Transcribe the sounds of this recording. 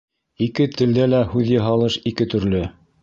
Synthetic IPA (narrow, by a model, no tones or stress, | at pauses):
ikɘt̪ʰɘ̆ld̪ælæhʉðjɤ̆ɦɑlˠɤʃikɘt̪ɵ̆ɾlɵ